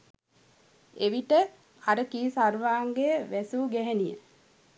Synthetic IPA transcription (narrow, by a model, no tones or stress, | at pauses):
eʋiʈə | aɾəkiːsarʋaːŋɡejəʋæsuːɡɛɦænijə̰